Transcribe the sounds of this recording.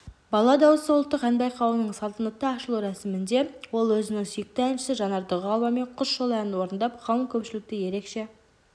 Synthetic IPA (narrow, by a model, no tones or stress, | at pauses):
bɑlˠɑd̪ɑwəsəwʊlˠt̪ːəqænbɑjqʰɑwənəɴsɑlˠt̪ənəqt̪ːəɑʃəlˠuɾæsɪmɪnd̪e̞wo̞lˠwɵzɪnɪŋsʏjɪk̚t̪ɪænʃɪ̥sɪʒɑnɑɾd̪əʁəɑlˠmɑme̞ɴqʰʊsʃolˠænwo̞ɾənd̪ɑpχɑlˠəŋkʲʰɵpʃɪlɪk̚t̪ɪje̞ɾe̞kʃe̞